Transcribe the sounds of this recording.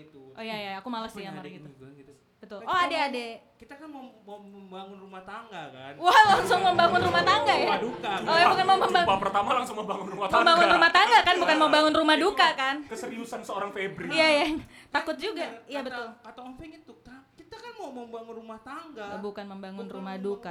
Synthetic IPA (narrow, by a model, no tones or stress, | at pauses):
ʔojajaakumalasijamaɾɡit̪u | bət̪ʊlʔɔadaada | kit̪akanmamaməmbaŋʊnrumaht̪aŋɡaka̰nwahlaŋsʊŋməmbaŋʊnrumaht̪aŋɡajadukaojabukanməməmbapərt̪amalaŋsʊŋməmbaŋʊnrumaməmbaŋʊnrumaht̪aŋɡakanbukanməmbaŋʊnrumahdukakankəsəɾiusansəoɾaŋfebɾiijajat̪akʊt̪̚d͡ʒuɡaijabət̪ʊlat̪afɛŋit̪ut̪akit̪akanmaməmbaŋʊnrumaht̪aŋɡabukanməmbaŋʊnrumahduka